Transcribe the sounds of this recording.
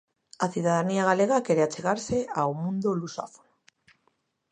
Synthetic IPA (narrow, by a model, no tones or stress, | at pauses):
aθuðaðaniaɣ̞ale̞ɣ̞ake̞ɾeat͡ʃe̞ɣ̞aɾse̞awmũnd̪olusa̰fo̥n